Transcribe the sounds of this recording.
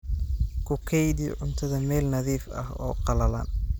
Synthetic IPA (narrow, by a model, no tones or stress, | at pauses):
kʰʊkʰɛjd̪ḭʕʊnt̪ʰɐðɐmɛːlnɐðiːfɐ̰hɔ̰ːqɑlɐla̰ːn